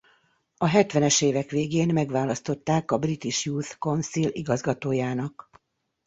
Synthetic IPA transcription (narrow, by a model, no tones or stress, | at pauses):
ɒɦɛt̪ʋɛnɛʃeːvɛkʋeːɡeːnmɛɡʋaːlɒst̪o̞t̪ːaːkɒbrit̪iʃjuːt̪ko̞nsiliɡɒzɡɒt̪oːjaːnɒk